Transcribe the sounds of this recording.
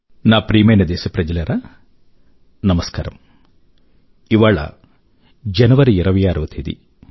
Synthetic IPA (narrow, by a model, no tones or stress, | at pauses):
naːpɾiːmeːnɐd̪eːsɐpɾɐd͡ʒɐlɐɾʔɐ | nɐmɐska̰ːɾɐ̰m | iʋaːɭɐ̰ | d͡ʒɐnɐʋɐɾiiɾɐʋɐjaːɾɐʋɐt̪ʰiːd̪ḭ